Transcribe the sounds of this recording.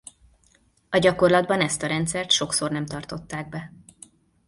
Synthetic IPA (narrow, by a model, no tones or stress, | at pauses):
ɒɟɒko̞rlɒd̪bɒnɛst̪ɒɾɛnt̪sɛrt̪ʃo̞kso̞rnɛmt̪ɒrt̪o̞t̪ːaːɡ̚bɛ